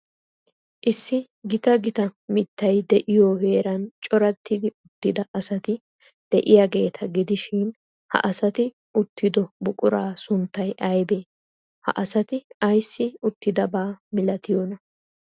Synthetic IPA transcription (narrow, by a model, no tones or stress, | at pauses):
ʔɪsːɪ | ɡɪt̪ɐɡɪt̪ɐmɪt̪ːɐjd̪ɛʔɪjoːhe̞ːɾɐnt͡ʃʼɔɾɐt̪ʰːɪd̪ɪʊt̪ːɪd̪ɐʔɐsɐt̪ɪ | d̪̥ɛʔɪjɐɡe̞ːt̪ʰɐɡɪd̪ɪʃɪn | hɐ̰ʔɐsɐt̪ɪ | ʔʊt̪ʰːɪd̪ɔbʊkʼʊɾaːsʊnt̪ːɐjʔɐjbeː | hɐ̰ʔɐsɐt̪ɪɐjsːɪʊt̪ːɪd̪ɐbaːmɪlɐt̪ɪjɔːnɐ